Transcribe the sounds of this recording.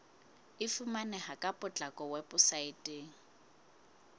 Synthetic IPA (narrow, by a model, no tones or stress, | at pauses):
ɪfumanɛhakʼapʼʊt͡ɬʼakʼɔwɛpʼʊsaɪtʼeːŋ̩